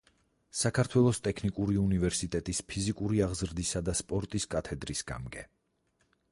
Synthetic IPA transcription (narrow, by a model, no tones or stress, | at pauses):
sakʰaɾt̪ʰwɛlˠɔst̪ʼɛkʰnikʼuɾiunivɛɾsit̪ʼɛt̪ʼispʰizikʼuɾiaʁzɾd̪isad̪aspʼɔɾt̪ʼiskʼat̪ʰɛd̪ɾisɡ̥a̰mɡɛ